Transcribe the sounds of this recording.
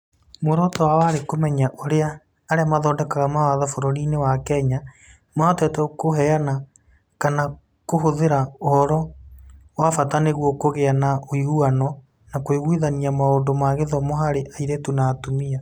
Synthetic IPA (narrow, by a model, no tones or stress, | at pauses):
moɾɔtɔwawaɾekomɛɲaʔoɾeaː | ɾeamaðɔːdɛkaɣamawaðafoɾɔɾinewakɛɲa | maɔtɛtɛkoɦɛana | kana | koɦoðeɾaohɔɾɔ | wafataneɣwɔkoɣeanaʔoiuanɔ | nakoeɣwiðaniamaoːndomaɣeðɔmoɦaɾeʔaiɾetunaːtomia